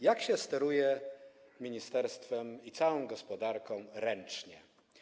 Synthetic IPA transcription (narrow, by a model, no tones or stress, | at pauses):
jakɕɛst̪ɛɾujɛmʲiɲist̪ɛɾst̪fɛmit̪sawɔ̃w̃ɡɔspɔd̪aɾkɔ̃ɾɛnt͡ʂɲɛ